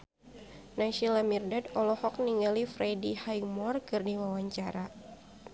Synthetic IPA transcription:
naʃilamirdadɔlɔhɔk̚niŋalifɾɛdihajmɔrkɨrdiwawaɲt͡ʃaɾa

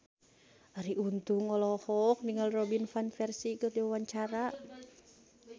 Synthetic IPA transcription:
aɾiʔunt̪uŋɔlɔhɔk̚diŋalrobinfanfɛrsikət̪iwawaɲt͡ʃaɾa

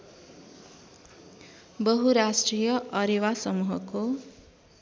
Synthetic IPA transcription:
bʌɦuɾasʈrijʌʔʌɾiwasʌmuɦʌko

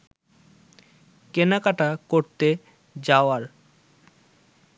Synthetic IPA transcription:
kenakaʈakoɾt̪e | d͡ʑaoaɾ

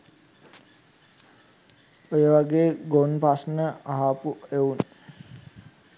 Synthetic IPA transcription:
ojəʋaɡeːɡonpasnəaɦaːpueun

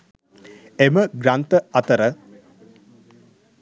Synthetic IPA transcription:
eməɡɾant̪əɐt̪əɾə

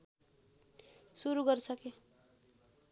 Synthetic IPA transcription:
suɾuɡʌrt͡sʰʌke

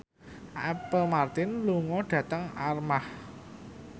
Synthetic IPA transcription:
ɛpəlmart̪ɪnluŋɔɖ̥ä̤t̪əŋarmah

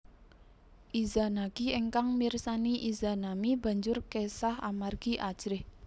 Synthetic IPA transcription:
ʔizanaɡieŋkaŋmirsaniʔizanamiba̤ɲd͡ʒʊrkesaha̰marɡ̥iʔḁd͡ʒ̥ɾɪh

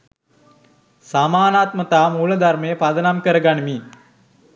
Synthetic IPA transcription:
samaːnaːt̪mət̪aːmuːlɐd̪arməjəpad̪ɐnamkəɾəɡanimi

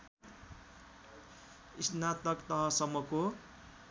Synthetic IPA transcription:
isnat̪ʌkt̪ʌɦʌsʌmːʌko

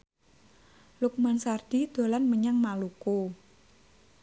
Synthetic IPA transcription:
luk̚mansard̪̥i̤d̪̥o̤lanməɲaŋmaluko

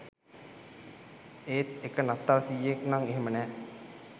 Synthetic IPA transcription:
eːt̪ekənat̪ːalsijeknaŋeɦemənɛː

